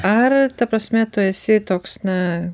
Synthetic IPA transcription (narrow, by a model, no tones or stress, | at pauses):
ɐrt̪ɐpɾɐsʲmʲɛt̪ʊɛsʲɪt̪oːksnɐ